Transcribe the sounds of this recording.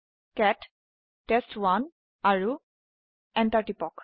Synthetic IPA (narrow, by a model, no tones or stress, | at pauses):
kɛtː | ɛstwan | aɹu | ɛntaɹʈipɔk